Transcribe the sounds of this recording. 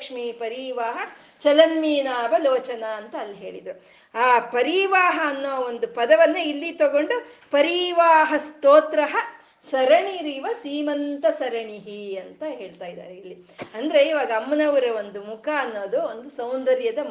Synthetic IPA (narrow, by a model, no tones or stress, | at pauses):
kʂmiːpɐɾiʋaːɦɐ | t͡ʃɐlɐnmiːnaːʋɐloːt͡ʃɐnaːnt̪ɐːlːiɦe̞ːɭḭd̪ɾu | aːpɐɾiʋaːɦɐːnːuːɐond̪upɐd̪ɐʋɐnːeilːit̪ɐɡo̞ɳɖupɐɾiʋaːɦɐst̪oːt̪ɾɐɦɐ | sɐɾɐɳiɾiːʋɐsiːmɐnt̪ɐsɐɾɐɳiɦiɐnt̪ɐɦe̞ːɭt̪aːjid̪a̰ːɾeilːi | ɐnd̪ɐɾe̞iːʋaːɡɐːmːɐnɐʋɐɾɐo̞nd̪umukʰaɐnːoːd̪uond̪usɐwnd̪ɐɾjɐd̪ɐ